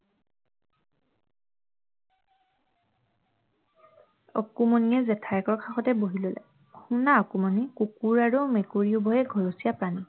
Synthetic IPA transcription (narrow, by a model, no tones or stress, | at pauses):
ɔkumoniɛzɛtʰaɹkɔɹkʰaxɔtɛboɦilolɛ̰ | hunaɔkumɔnikukuɹaɹumɛkuɹiubɔjɛɡʱɔɹusijapɹani